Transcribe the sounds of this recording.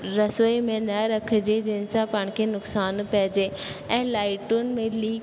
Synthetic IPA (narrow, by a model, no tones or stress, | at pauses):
ɾɐsimẽnɐɾɐkʰd͡ʒed͡ʒɪnsãpaɳ̃kʰenʊksaːnpɛːd͡ʒeɛ̃ːlaːɪʈʊnmẽliː